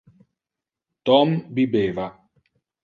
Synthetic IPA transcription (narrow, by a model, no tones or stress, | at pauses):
t̪ɔmbibeːva